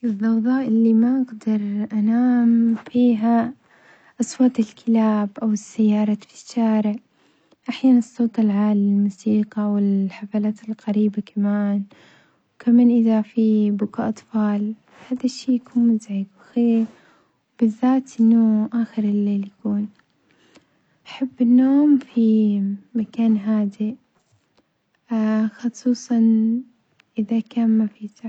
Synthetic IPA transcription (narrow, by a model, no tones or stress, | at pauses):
ʔɨðˤːɑwðˤɑːʔɪlːimaʔaɡd̪ɑɾˤʔanaːmfiːɦa | ʔɑsˤwɑːt̪ˤɪlkʰɪlaːbʔawɪsːajːɑːɾˤɑfi̥ʃːaːɾɪʕ | ʔaħjaːnɨsˤːoːt̪ˤɪlʕaːlːɪlmusiːqɑwɪlħafaːlaːt̪ɪlqɑɾiːbakamaːn | wkamaːnʔɪðafibʊkaʔɑt̪ˤfɑːl | haːd̪aʃːeːjakuːnmɪzaʕiːfwɪxeːɾ | wb̥ɪðːaːt̪ʔɪnːʊʔaːxɪɾɪlːeːljakuːn | ʔaħabːɪnːoːmfimakaːnɦaːd̪i | xɨsˤuːsˤɑn | ʔɪðakaːnmafiːt̪a